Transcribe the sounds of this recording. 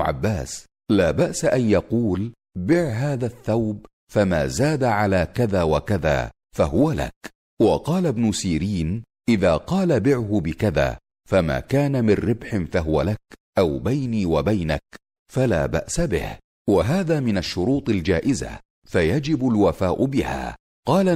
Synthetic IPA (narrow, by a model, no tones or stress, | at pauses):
ʕa̰bːaːs | laːbaʔsaʔanjɑquːl | bɪʕɦaːðaθːawb | famaːzaːd̪aʕalaːkaðaːwakaða̰ː | faɦʊwala̰k | wɑqɑːlabnʊsiːɾiːn | ʔɪðaːqɑːlabɪʕhʊbɪkaða̰ː | fama̰ːkaːnamɪrːɪbħɪnfaɦʊwa̰lakʔawbajniːwabajna̰k | fala̰ːba̰ʔsabɪ̰h | waɦaːðaːmɪnaʃːʊɾuːt̪ˤald͡ʒaːʔɪza̰ | fajad͡ʒɪbʊlwafaːʔʊbɪha̰ː | qɑːla